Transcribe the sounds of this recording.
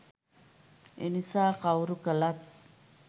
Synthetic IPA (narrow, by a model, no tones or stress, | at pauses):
ḭnisaqawɾukalat̪̚